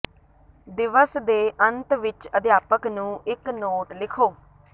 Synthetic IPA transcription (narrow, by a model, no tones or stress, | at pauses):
d̪ɪʋəsd̪eːʔənt̪ʋɪt͡ʃəd̪jaːpəknũːɪknoːʈlɪkʰoː